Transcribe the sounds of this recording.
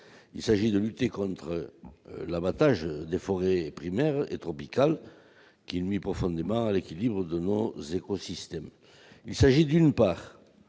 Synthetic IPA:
ilsaʒid̪əlyt̪ekɔ̃nt̪χəlabat̪aʒd̪efɔʁepχimɛʁḛt̪χɔpikal | kilmipʁɔfɔ̃nd̪emɑ̃alekilibʁəd̪ənozekɔsist̪ɛm | ilsaʒid̪ynpaʁ

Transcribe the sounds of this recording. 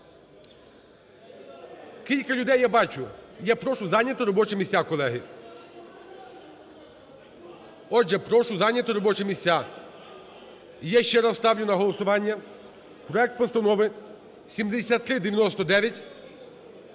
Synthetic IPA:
kilʲkɐlʲʊd̪ɛjːabɑt͡ʃʊjɛpɾɔʃʊzɑnʲɐt̪ʊɾɔbɔt͡ʃɛmʲisʲakɔlˠɛɦɪ | ɔʒɛpɾɔʃʊzɑnʲːɐt̪ɔɾɔbɔt͡ʃɛmʲisʲtʲːa | jɛʃt͡ʃɛɾɐst̪ɑwlʲʊnɐɦɔlˠɔsʊʋɑnʲːɐ | pɾɔɛk̚t̪pɔst̪ɐnɔʋɪ | sʲimd̪esʲat̪ːɾɪd̪eʋʲjɐnɔst̪ɔd̪ɛʋʲjɐtʲ

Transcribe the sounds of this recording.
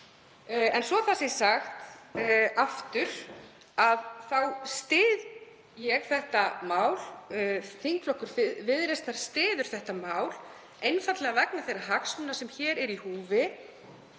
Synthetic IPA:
ɛnsvɔθasɛsaxt̪ | aft̪ʏɾ̥ | aðθawst̪ɪːð | jɛɣθɛht̪amaːwl | θiŋkflɔhkʏɾ̥vɪðɾest̪aɾ̥st̪ɪːðʏɾ̥θɛht̪amaːwl̥ | ejnfat̪lɛɣavɛknaθejrːaɦaksʏnːasɛmçɛːɾɛɾihuːvɪ

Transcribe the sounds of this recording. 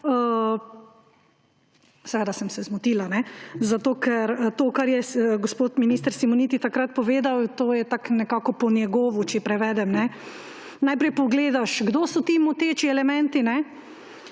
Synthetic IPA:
ə | sɛʋeːd̪asɛmsɛzmut̪iːlanɛzat̪oːkɛɾt̪oːkaɾjɛɡospoːt̪miniːst̪əɾsimɔnit̪it̪akɾat̪̚pɔʋeːd̪awt̪oːjɛt̪aknɛkakɔpɔnjɛɡɔːʋut͡ʃɛpɾɛʋɛːd̪ɛmnɛ | najpɾɛjpɔɡleːd̪aʃɡd̪oːsɔt̪iːmɔt̪eːt͡ʃiɛlɛmɛ̃nt̪inɛ

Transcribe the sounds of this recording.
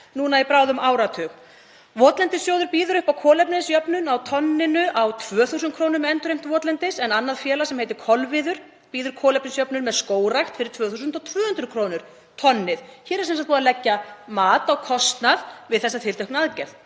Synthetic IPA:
nuːnaipɾaːwðʏmaːwɾat̪ʰʏɣ | vɔːt̪lɛnt̪ɪsjoːwðʏɾpiːðʏɾʏhpawkʰɔːlɛpnɪsjœpnʏnawt̪ʰɔnːɪnʏʔawt̪ʰvœːθus̬ʏn̚kʰɾoːwnʏɾmɛɛnt̪ʏɾejm̥t̪vɔːt̪lɛnt̪ɪsɛnanːaðfjɛːlasɛmhejt̪ɪɾ̥kʰɔlvɪðʏɾ̥ | piːðʏɾ̥kʰɔːlɛpnɪsjœpnʏnmɛðskoːwɾajxt̪fɪɾɪɾt̪ʰvœːθus̬ʏnt̪ɔwt̪ʰvœːhʏnt̪ɾʏkʰɾoːwnʏɾ̥ | t̪ʰɔnːɪðçɛːɾɛɾsɛnsat̪pɔːðalɛcːamaːt̪awkʰɔst̪naðvɪðθɛsːat̪ʰɪlt̪œhknaðcɛɾðθ

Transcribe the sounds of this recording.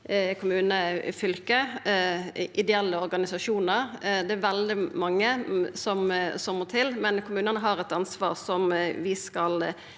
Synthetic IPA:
kʰʊmʉːnəfʏlkə | ʔɪd̪ɛɛlːəɔɾɡɑnɪsɑʃuːnəɾd̪ɛæɾʋɛld̪ɪmɑŋːəsɔmsɔmmɔt̪ʰɪlmɛnkʰʊmʉːnənəɦɑɾɛt̪ɑnsʋɑ̰ːʁsɔmʋɪskɑl

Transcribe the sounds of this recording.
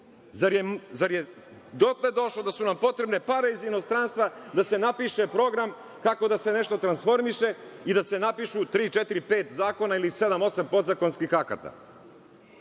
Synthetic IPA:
zaɾjemzaɾje | d̪ot̪led̪o̞ʃlod̪asunampo̞t̪ɾe̞bnepaɾeizino̞st̪ɾaːnst̪ʋad̪ase̞napiʃe̞pɾo̞ɡɾam | kako̞d̪asene̞ʃt̪o̞t̪ɾansfo̞ɾmiʃe̞id̪ase̞napiʃut̪ɾiːt͡ʃet̪iɾipeːt̪zaːko̞nailise̞d̪amo̞sampo̞d̪zako̞nskixaka̰t̪a̰

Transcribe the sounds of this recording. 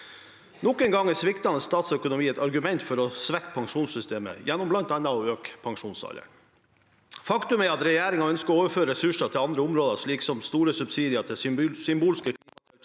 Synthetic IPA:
nɔkənɡɑŋːɛsʋɪkt̪ɑnəst̪ɑːt̪sœkʊnʊmiːɛt̪ɑɾɡʉmɛnt̪fɔɾɔsʋɛkːpʰɑŋʂuːnsʏst̪eːmə̰jænːɔmblɑnt̪ɑnːɑɔøːkpʰɑŋʂuːnsɑ̰lə̰ɳ | fɑkt̪ʉmɛɑt̪ɾɛjæːɾɪŋɑœnskɔoːʋəɾføːɾəɾɛsʉʂɑt̪ʰɪlɑnd̪ɾəʊmɾoːd̪ɑʂɭiːksɔmst̪uːɾəsʉbsiːd̪ɪɑt̪ʰɛsʏmbuːlskəkʰiːt̪ʰɛ

